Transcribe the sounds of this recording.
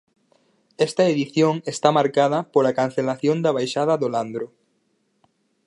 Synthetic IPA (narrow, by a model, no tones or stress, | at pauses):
ɛst̪ɐeðiθjoŋest̪amaɾkað̞ɐpolakan̟θelaθjond̪ɐβ̞ajʃaðɐðoland̪ɾʊ